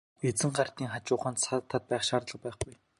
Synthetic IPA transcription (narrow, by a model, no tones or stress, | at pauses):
et͡sɘ̆ŋɢar̥t̪iːŋχat͡ɕʊːχaːnsat̪ʰːat̪̚pæːχʃaːrt̪ɮə̆q̚pæːχɡuj